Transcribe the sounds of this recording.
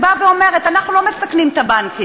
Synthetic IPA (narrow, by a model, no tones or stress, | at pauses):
baveo̞me̞ʁet̪anaχnulo̞me̞saknimt̪abanki